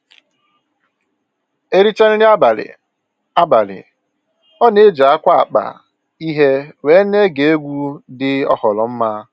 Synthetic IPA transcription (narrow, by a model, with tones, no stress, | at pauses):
e˦ɾi˦t͡ʃa˦n̩˦ɾɪ˦ba˨lɪ̰˨ | a˦ba˨lɪ̰˨ | ɔ˦ne˦d͡ʒa˨a˦kʷa˦a˨k͡pa̰˨ | i˦ɦe˦we˦ne˦ɡe˨e˦ɡʷu˦dɪ˦ɔ̰˦hɔ˨lɔ˨m̩˦ma˦